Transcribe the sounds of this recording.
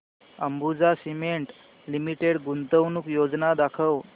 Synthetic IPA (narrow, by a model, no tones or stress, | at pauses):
əmbud͡zasimeɳʈ | limiʈeɽɡunt̪əwnuːkjod͡znad̪akʰəw